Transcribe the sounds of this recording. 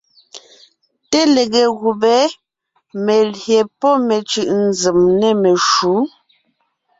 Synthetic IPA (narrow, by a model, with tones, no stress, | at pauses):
te˦le˨ɣe˨ɣu˨bɛ˨˦ | me˨lje˨pɔ˦me˨t͡ʃɯ˨ʔn̩˨d͡zə˨mnɛ˦me˨ʃu˨˦